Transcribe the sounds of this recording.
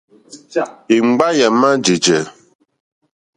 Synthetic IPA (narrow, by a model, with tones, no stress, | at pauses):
i˨ŋ͡m̩˦ɡ͡ba˦jɛ˨ma˦d͡ʒi˨d͡ʒɛ˨